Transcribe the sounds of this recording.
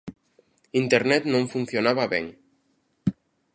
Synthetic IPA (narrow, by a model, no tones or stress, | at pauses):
int̪eɾnɛt̪nõɱfunθjonaβaβḛŋ